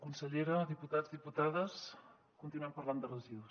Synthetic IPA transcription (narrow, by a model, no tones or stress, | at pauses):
kunsəʎeɾəðiput̪azðiput̪aðəs | kunt̪inuɛmpərland̪ərəziðus